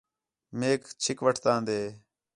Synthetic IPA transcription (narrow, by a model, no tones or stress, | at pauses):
meːkt͡ʃʰɪkʋəʈʰt̪ãːnd̪eː